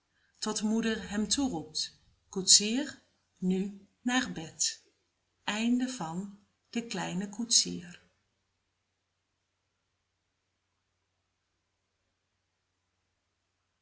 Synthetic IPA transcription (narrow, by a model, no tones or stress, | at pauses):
tɔtmudərɦɛmtʰurup̚t | kutsiər | ny | narbɛt | ʔɛjndəvɑn | d̥əklɛjnəkʰutsiər